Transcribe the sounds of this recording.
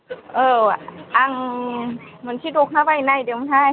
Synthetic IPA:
ʔɤːʔaŋ | mɯnt̪ʰiːdok̚naːwajnajdemnha

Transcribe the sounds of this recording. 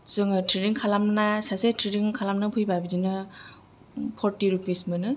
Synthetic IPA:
zɯŋɯtʰɾiɾiŋkʰalamnasasetʰɾiɾiŋkʰalamnapʰɯjbabid͡ʒinɯ | pʰɔɾtiɾupismɯnɯ

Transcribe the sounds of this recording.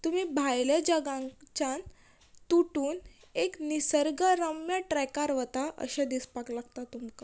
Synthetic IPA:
t̪umiːbʱajləd͡ʑəɡãt͡ɕãn | t̪uʈuːn | eknisəɾɡəɾəmjəʈɾɛkaɾʋət̪aʔə̰ɕãd̪ispaklaɡt̪at̪umka

